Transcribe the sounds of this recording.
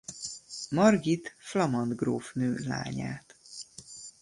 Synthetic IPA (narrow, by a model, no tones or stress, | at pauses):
mɒrɡit̪flɒmɒnd̪ɡroːfnøːla̰ːɲa̰ːt̪